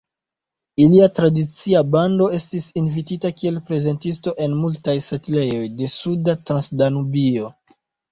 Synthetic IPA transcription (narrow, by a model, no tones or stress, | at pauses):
iliatɾadit͡siabando̞e̞stisinvititakie̞lpɾe̞ze̞ntis̬to̞ʔe̞nmultajsatile̞jo̞jde̞sudatɾansdanubio̞